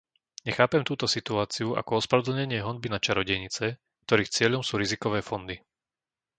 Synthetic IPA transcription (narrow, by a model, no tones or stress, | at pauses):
ɲɛxaːpɛmt̪uːt̪ɔsit̪uaːt͡siuʔa̰kɔɔspɾaʋɔd̪l̩ɲɛɲɪɛɦɔnbinat͡ʃaɾɔɟɛɲit͡sɛ | k̚t̪ɔɾiːxt͡sɪɛʎɔmsuːɾizikɔʋɛːfɔnd̪i